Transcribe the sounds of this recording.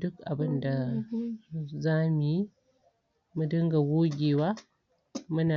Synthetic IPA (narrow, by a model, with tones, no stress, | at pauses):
du˦ka̰˨bɨ˦nda˨ | za˦mi˨˦ | mɨ˦dɨ˦ŋɡa˨wu˦ɡʲi˨wa˦ | mɨ˦na˨